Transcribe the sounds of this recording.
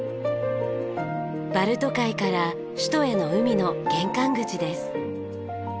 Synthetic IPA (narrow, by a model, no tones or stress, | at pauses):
b̥aɾɯ̟t̪o̞kaikaɾa | ɕi̥t̪o̞e̞no̞ɯ̟mʲino̞ɡ̥ẽ̞ŋkãŋɡɯ̟t͡ɕid̪e̞sɨ̥